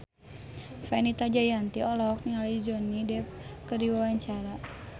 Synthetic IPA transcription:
fanit̪ad͡ʒajant̪iɔlɔk̚nialid͡ʒɔnidɛp̚kədiwawaɲt͡ʃaɾa

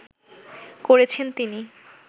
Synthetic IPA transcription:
koɾet͡ɕʰent̪ini

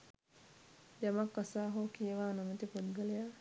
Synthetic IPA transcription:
jamakːasaːɦoːkijeʋaːnamət̪ipud̪ɡəleja

